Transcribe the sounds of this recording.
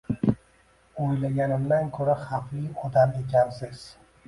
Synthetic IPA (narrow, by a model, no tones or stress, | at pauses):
ojlaɡʲanɪmd̪ankʲʰɵɾaχɑflɪjɒd̪ame̞kʰʲansɪz̥